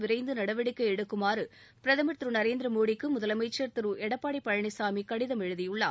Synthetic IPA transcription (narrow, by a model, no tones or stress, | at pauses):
ʋɪɾɐɪnd̪ɯnɐɽɐʋɐɽɪkːɐɛɽɯkːɯmaːɾɯpɪɾɐðɐmɐɾt̪ɾɯnɐɾeːnd̪ɪɾɐmoːɽikːɯmʊðɐlɐmɐɪt͡ʃːɐɾt̪ɪɾɯʔɛɽɐpːaːɽipːɐɻɐɳɪsaːmikɐɽɪðɐmɛɻɯðɪjɯɭːa̰ː